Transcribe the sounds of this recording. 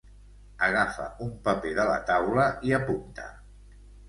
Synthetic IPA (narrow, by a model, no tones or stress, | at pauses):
əɣ̞afə̰umpəpeðələ̰t̪awləiəpunt̪ə̰